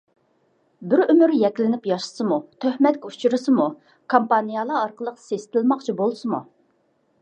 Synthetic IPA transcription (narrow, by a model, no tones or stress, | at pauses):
bɪɾymyɾjɛkʲlɪnɪpjɑʃə̥sɨmut̪ʰøhmɛt̪kʲɛut͡ʃʰuɾɨsɨmu | kʰompɑnijɑlˠɑːɾqəlˠəqsesɪ̥t̪ʰɪlmɑqt͡ʃʰibolˠsɨmṵ